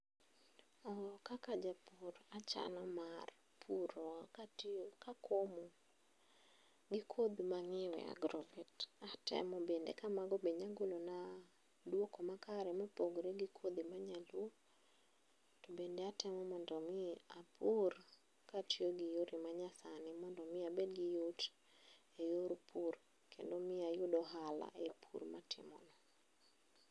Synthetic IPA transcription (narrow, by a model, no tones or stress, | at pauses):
ɔkakad͡ʒapuɾat͡ʃa̰nɔmar | pʰuɾɔkatkakʰomo | ɡɪkʰod̪maŋɪwɛ̰a̰ɡɾɔvɛtatɛ̰mɔbendḛkamaɡɔbeɲaɡolona | dwokɔmakaɾɛmapoɡɾeɡɪkʰod̪imaɲalwo | tobendeatɛmɔmɔndɔmɪapʰur | katjoɡɪjoɾʔɪmaɲasanɪmɔndɔmɪabedɡɪjʊt | ejoɾpʰur | kʰḛndomɪajʊdɔɦala̰ʔepʰṵrmatʰɪ̰mɔ̰nɔ